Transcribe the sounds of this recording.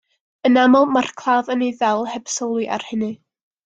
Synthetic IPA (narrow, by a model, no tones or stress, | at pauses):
ənamɔlˠmarkʰlˠaːðənejðɛlˠhɛb̥sɔlˠiʔa̰r̥hɪnɨ